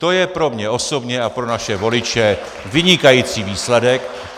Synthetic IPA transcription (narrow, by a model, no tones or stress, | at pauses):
t̪o̞jɛpɾo̞mɲɛo̞so̞bɲɛapɾo̞naʃɛvo̞lɪt͡ʃɛ | vɪɲɪkajiːt͡siːviːslɛdɛk